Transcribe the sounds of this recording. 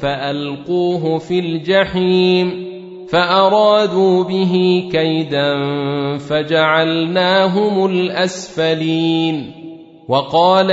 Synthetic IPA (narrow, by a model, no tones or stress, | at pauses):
faʔalquːɦʊfɪld͡ʒaħiːm | faʔɑɾˤɑːd̪uːbɪɦiːkajd̪anfad͡ʒaʕalnaːɦʊmʊlʔasfaliːn | wɑqɑːl